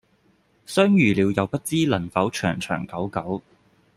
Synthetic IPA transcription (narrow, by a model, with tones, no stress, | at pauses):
sœː˥ŋjyː˨liː˨˧wjɐ˨˧wpɐ˥t̚t͡siː˥lɐ˨˩nfɐ˨˥wt͡ʃʰœ̰ː˨˩ŋt͡ʃʰœ̰ː˨˩ŋkɐ˨˥wkɐ˨˥w